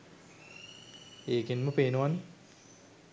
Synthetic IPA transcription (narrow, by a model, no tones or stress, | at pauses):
eːkenməpeːnuʋani